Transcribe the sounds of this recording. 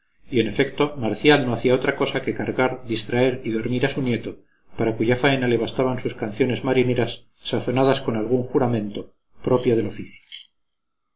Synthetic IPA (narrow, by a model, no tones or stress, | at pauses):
ie̞ne̞fe̞kt̪o̞maɾθjalno̞aθiao̞t̪ɾako̞sake̞kaɾɣaɾðist̪ɾae̞ɾiðo̞ɾmiɾasunje̞t̪o̞ | paɾakuʝafaenale̞β̞ast̪aβansuskanθjone̞zmaɾine̞ɾasː | aθo̞naðasko̞nalɣuŋxuɾamẽ̞nt̪o̞ | pɾo̞pjo̞ð̞e̞lo̞fiθjo̥